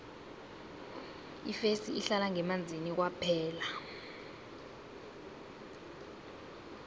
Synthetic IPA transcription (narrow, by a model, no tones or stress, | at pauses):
ḭfesiiɬalaŋɛmand͡zʱinik̬wapʰɛːla